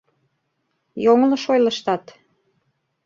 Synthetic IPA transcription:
joŋlɤ̆ʃojlə̆ʃt̪ɑt̪

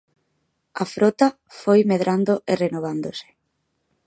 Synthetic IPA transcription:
afɾot̪a | fojmeð̞ɾʔand̪oʔerenoβ̞and̪ose̥

